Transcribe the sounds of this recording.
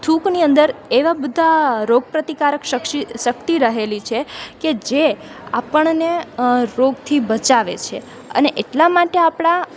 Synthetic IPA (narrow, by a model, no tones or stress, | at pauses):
t̪ʰukniənd̪əɾeʋabəd̪ʱaɾoɡ̚pɾət̪ikaɾəkʃəkʃiʃək̚t̪iɾəɦelit͡ʃʰeked͡ʒe | a̰pəɳneɾoɡt̪ʰibət͡ʃaʋḛt͡ʃʰḛ | ə̰neʔeʈlamaʈeapɽ̃a